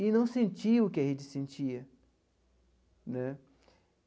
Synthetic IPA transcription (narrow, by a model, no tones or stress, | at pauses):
ɪnɐ̃w̃sẽnt͡ʃiɐʊkɪɐɦẽd͡ʒɪsẽnt͡ʃiɐ | nɛ